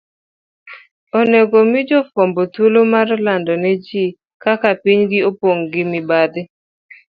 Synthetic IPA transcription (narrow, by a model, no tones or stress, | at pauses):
oneɡomɪd͡ʒɔfɔmbotulomaɾlandɔnɛd͡ʒi | kakapiɲɡɪopoŋɡɪmɪbad̪ɪ